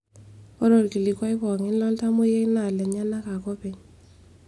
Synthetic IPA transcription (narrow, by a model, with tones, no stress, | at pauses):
ɔ˦ɾɔ˨lki˨li˨kwa˦ɪ˦kɔ˨ŋɪ˦nlɔ˦lta˦mʊ˦je˦i˦na˨lɛ˨ɲa˦na˦ka˨kɔ˦pe˨ɲ